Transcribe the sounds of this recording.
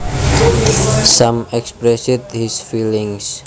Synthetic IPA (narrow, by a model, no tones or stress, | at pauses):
samɛkspɾɛsit̪̚hisfiliŋs